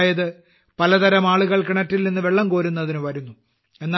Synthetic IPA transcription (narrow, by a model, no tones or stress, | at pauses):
jɐðɨ | pɐlɐt̪ɐɾɐmaːɭuɣɐɭkɨɳɐtːilninːɨʋe̞ɭːɐmko̞ːɾunːɐðinuʋɐɾunːu | e̞nːa